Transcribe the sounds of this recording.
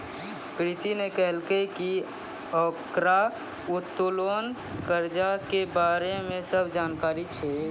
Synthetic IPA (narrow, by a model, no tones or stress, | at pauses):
pɾit̪inekɛɦlkeki | ɔːkɾa | ʊt̪ːʊloːn | kəɾd͡ʒakebaːɾemẽsəbʱd͡ʒaːnkaːɾit͡ʃʰe